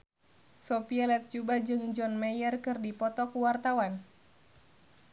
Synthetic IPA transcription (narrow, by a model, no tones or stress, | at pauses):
sɔpialɛt̪̚t͡ʃubad͡ʒɨŋd͡ʒɔnmɛjərkɨrdipɔt̪ɔkuwart̪awan